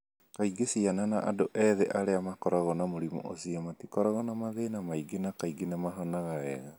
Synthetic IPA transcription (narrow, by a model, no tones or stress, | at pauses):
kaiɡesiananaʔadoʔɛðeʔaɾeamakɔɾaɣɔnamoɾimɔ̰ʔosiamatikɔɾaɣɔnamaðenamaiɡenakaiɡenamaɦɔnaɣaɛɣa